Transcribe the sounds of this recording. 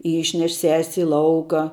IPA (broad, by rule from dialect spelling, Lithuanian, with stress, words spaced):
ˈiːʃʲnʲɛʃ sʲɛsʲ ɪ ˈlˠɐʊkɑː